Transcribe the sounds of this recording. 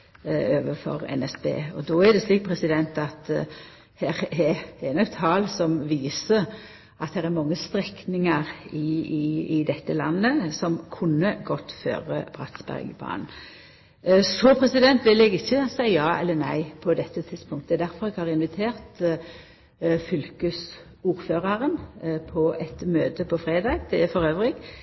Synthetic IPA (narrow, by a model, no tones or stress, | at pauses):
øːʋəfɔ̰ɾɛ̰nɛsbḛːɔ̰d̪ɔːæd̪ɛsliːk̚t̪̚pʰɾɛsɪd̪ɛnt̪ɑt̪ | hæːɾɛɛnɔɡt̪ʰɑːlsɔmʋiːsə | ɑt̪̚d̪ɛɾɛɾmɑŋːəst̪ɾɛknɪŋɑɾɪɪɪd̪ɛt̪ːəlɑ̰nːəsɔmkʰʊnːəɡɔt̪ːfø̰ːʁə̰b̥ʁɑ̰t̪sbæ̰ʁɡəbɑ̰ːn | sɔpʰɾɛsɪd̪ɛnt̪ʋɪlɛɡɪçːəsæɪəjɑːɛ̰lːənæ̰ɪpʰɔd̪ɛt̪ːət̪ʰɪd̪spʊŋkt̪əəɛd̪æɾfɔɾɛɡhɑːʁɪnʋɪt̪ʰeːʁt̪ | fʏlkəs | uːɾføːʁɑɾənpʰɔɛt̪møːt̪əpʰɔfɾʁeːd̪ɑːɡd̪ɛfɔɾøːʋʁɪɡ